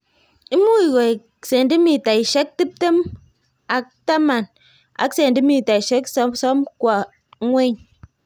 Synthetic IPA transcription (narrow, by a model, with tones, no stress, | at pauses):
i˦mu˦i˨ɣɔ˨ | se˨n˨di˦mi˨ta˨i˨ʃe˦k̚ti˦p̚te˦m | a˨k̚ta˦ma˨n | a̰˨kse˨n˨di˦mi˨ta˨i˨ʃe˦ksɔ˦sɔ˦mkwa˨˦ | ŋʷe˦ɲ